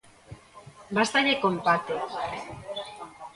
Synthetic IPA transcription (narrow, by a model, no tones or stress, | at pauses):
bast̪aɾekompat̪e